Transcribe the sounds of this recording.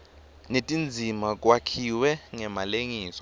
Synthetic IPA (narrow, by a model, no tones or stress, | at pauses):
netʼind͡zʱimak̬ʼwakʰiwɛŋɛmaleŋiːsɔ̥